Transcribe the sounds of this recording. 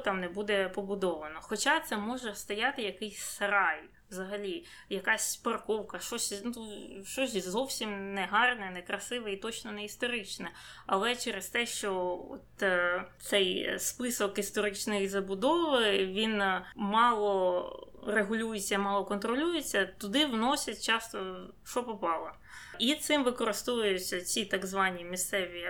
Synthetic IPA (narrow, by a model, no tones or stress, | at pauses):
t̪ɑmnɛbud̪ɛpɔbʊd̪ɔʋɐnɔxɔt͡ʃat̪sɛmɔʒɛst̪ɐjɑt̪ɪjɐkɪjsʲsɾɑj | wzɐɦɐlʲi | jɐkɑsʲpɐrkɔwkɐʃt͡ʃɔsʲnʃt͡ʃɔsʲzɔwsʲimnɛɦɑrnɛnɛkɾɐsɪʋɛit̪ɔt͡ʃnɔnɛist̪ɔɾɪt͡ʃnɛ | ɐlˠɛt͡ʃɛɾest̪ɛʃt͡ʃɔɔ̰t̪t̪sɛjspɪsɔkist̪ɔɾɪt͡ʃnɔjizɐbʊd̪ɔʋɪʋʲinmɑlˠɔ | reɦʊlʲujet͡sʲːɐmɑlˠɔkɔnt̪ɾɔlʲujet͡sʲːɐt̪ʊd̪ɪʋnɔsʲɐt̚ʲt͡ʃɑst̪ɔ | ʃɔpɔpɑlˠɐ | it̪sɪmʋɪkɔɾɨst̪ɔʋʊjɪt͡sʲːɐt͡sʲit̪ɑɡzʋɑnʲːimʲist̪sɛʋʲi